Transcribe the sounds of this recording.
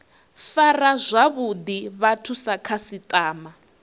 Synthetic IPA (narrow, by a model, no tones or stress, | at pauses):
farazʷaβud̪iβatʰusakʰasit̪ʼaːma